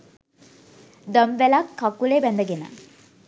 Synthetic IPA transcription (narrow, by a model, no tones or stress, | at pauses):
d̪əmʋelakːakːulebænd̪əɡenə̰